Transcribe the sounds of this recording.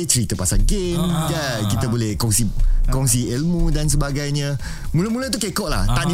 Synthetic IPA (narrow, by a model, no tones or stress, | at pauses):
t͡ʃəɾit̪əpasalɡemja | kit̪əbolɛhkɔŋsikɔŋsiɛlmũdans̬əbaɡajɲã | mũləmulət̪ukekɔʔla̰ht̪aʔni